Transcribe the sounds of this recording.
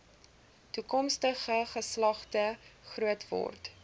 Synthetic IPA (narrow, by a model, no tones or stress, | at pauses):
tukɔmstəχəχəslɐχtəχruətvɔ̰rt